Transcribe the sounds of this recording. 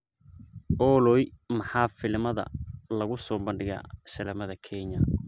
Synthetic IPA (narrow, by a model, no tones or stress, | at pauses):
ʔɔːlɔjmɐħaːfɪlmɐðɐ̰lɐɣʊsɔːbɐnɖɪɣa̰ːʃɐlɛmɐðɐkʰɛɲɐ